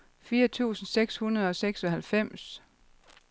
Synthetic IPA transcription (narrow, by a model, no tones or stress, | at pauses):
fiːɐt͡sʰṵːsn̩seɡ̥shunɐð̞ˠɒ̽seɡ̥sɒ̽ɦælfem̰s